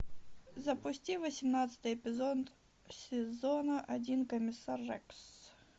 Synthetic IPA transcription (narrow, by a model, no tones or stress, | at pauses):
zɐpʊsʲtʲivɐsʲɪmnat̪sə̥t̪ɨjɛpʲɪzɔd̪ | sʲɪzɔnɐʔɐdʲinkɐmʲɪsarːɛks